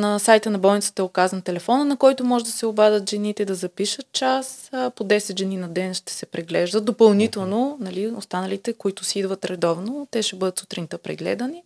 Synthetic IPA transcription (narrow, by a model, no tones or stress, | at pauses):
nɐsajt̪ənɐbɔlˠnʲit̪sə̥t̪ɐɛokazɐnt̪ɛlɛfɔnənɐkɔjt̪ʊmɔʒɛd̪ɐsɛobad̪ət̪ʒɛnit̪ɛd̪ɐzɐpiʃət̪̚t͡ʃaspod̪ɛsɛt̪ʒɛninɐd̪ɛnʃt̪ɛ̥sɛpɾɛɡlɛʒd̪ət̪d̪opɐlˠnit̪ɛlˠnonɐliost̪anɐlit̪ɛkoit̪ʊsɛid̪vət̪ɾɛd̪ɔvnot̪ɛʃɛbɤd̪ət̪su̥t̪ɾinit̪əpɾɛ̰ɡlɛ̰d̪əni